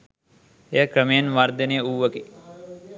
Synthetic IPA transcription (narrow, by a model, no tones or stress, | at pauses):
ekɾəmeːnʋaɾd̪əneuʋəke